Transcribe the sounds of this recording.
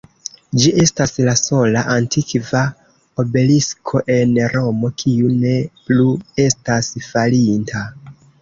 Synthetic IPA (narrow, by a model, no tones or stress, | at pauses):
d͡ʒiʔe̞staslaso̞laʔantikva | obe̞liskʰo̞ʔe̞nɾo̞mo̞kʰiune̞plue̞stasfalintʰa